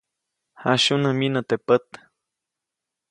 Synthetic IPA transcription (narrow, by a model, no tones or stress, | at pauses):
haʃunəminət̪epət̪